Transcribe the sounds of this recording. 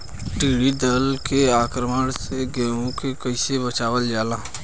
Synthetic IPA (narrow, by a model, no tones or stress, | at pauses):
ʈiːɽid̪əlkeaːkɾəməɽseɡɛ̃ːõkekəɪsebət͡ʃaːʋəld͡ʒaːlaː